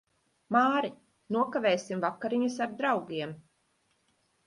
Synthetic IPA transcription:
maːɾi | nuɔkavɛːsimvakːaɾiɲus̬aɾd̪ɾawɡiɛm

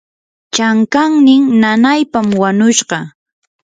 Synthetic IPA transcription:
t͡ʃaŋkaŋnɪŋnanajpamwaɲʊʃɢɑ

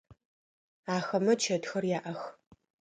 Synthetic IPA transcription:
aːxɐmɐt͡ʃʰɐdxɐrjaːʔɐx

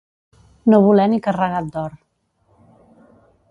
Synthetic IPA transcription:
noβulɛmikərəɣat̪̚d̪ɔɾ

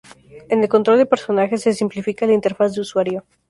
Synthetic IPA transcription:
ene̞lkont̪ɾo̞ld̪epe̞ɾso̞naxe̞sːesimplifikaelaint̪e̞ɾfasd̪euswaɾjo̞

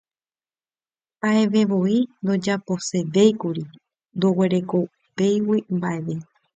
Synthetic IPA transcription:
aeʋe̞ʋo̞ind̪o̞d͡ʒapo̞se̞de̞jkuɾi | nd̪owe̞ɾe̞ko | pe̞jwimbaʔe̞ʋe̞

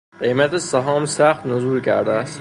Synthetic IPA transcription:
qejmat̪ʰɪsaɦɒmsaχt̪nʊzʊlkʲʰa̰ɾd̪ɪas

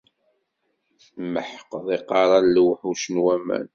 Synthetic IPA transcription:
θmːəħqːðˤiqɑɾˤɑnlwħuʃənwæmæ̰n

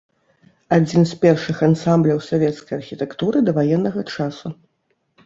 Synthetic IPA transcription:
ad͡zʲinspʲɛrʂɨxansamblʲɐwsavʲɛt̪skɐjɐrxʲit̪ɛkt̪uɾɨd̪ɐvajɛnːɐɣɐt͡ʂasu

